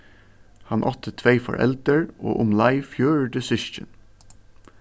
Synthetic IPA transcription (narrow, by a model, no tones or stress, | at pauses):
hɑnʔɔt̪ʰət̪ʰʋeɪfɔ̰ɹʔɛ̰ld̪əɹʔo̰ːʔʊmlɑɪfjøːɹɖəsʏʃçə̰n